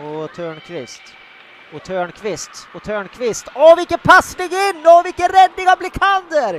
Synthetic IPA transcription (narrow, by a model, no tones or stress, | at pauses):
ɔt̪ʰøːɳkʰvɪst̪ | ɔt̪ʰøːɳkʰvɪst̪ɔt̪ʰøːɳkʰvɪst̪ɔvɪlkːət̪pʰasːəɖɪɡɪnːɔvɪlkːənɾɛd̪nɪŋavblɪkʰand̪əɾ